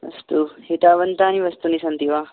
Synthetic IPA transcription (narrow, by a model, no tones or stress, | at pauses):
ʋɐ̰st̪uhit̪aːʋɐnt̪aːnĩʋɐst̪unisɐnt̪iʋaː